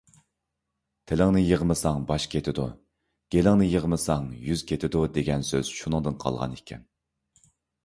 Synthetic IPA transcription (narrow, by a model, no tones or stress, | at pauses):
t̪ʰelɪŋnɪjəʁmɨsɑŋbɑʃkʲʰet̪ʰɪd̪ṵ | ɡ̥ʲelɪŋnɪjəʁmɨsɑŋjyz̥kʲʰet̪ʰɪd̪ud̪eɡʲɛnsø̰z̥ʃunɨŋd̪ɨnqʰɑ̰lˠʁɑ̰nekʲʰːɛ̰n